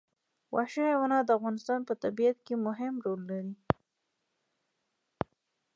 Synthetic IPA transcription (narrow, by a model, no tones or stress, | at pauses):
wʔɑʃeawanɑd̪əafɣɑnɪst̪ɑnpət̪abijat̪̚kemʊɦɪmɾolːaɾi